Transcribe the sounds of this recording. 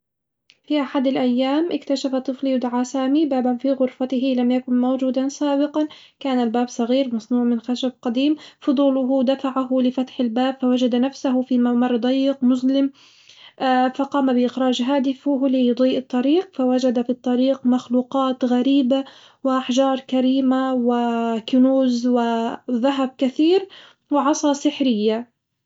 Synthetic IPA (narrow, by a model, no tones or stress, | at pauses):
fiʔaħad̪alʔajːaːmʔɪkt̪aʃafat̪ˤɨflijʊd̪ʕaːsaːmibaːbanfiːɣʊɾfat̪ɪɦɪlamjakʊnmowd͡ʒuːd̪ansaːbɪqɑn | kaːnalbaːbsˤɑɣiːɾmɑsˤnuːʕmɪnxaʃab̚qɑd̪iːmfʊd̪ˤuːlʊɦʊd̪afaʕaɦʊlɪfat̪ħɪlbaːbfawad͡ʒad̪anafsahʊfiːmamɑrˤd̪ˤɑjiːqmʊzlɪm | faqɑːmabɪʔɪxɾɑːʒɦaːd̪ɪfuːhlɪjd̪ˤiːʔɨt̪ˤːɑɾiːqfawad͡ʒad̪afit̪ˤːɑɾiːqmaxluːqɑːt̪ɣaɾiːba | wɪʔaħʒɑːɾˤkaɾiːmawɪkɪnuːzwɪðaɦab̚kaθiːɾ | wɪʕɑsˤɑsɪħɾɪjːa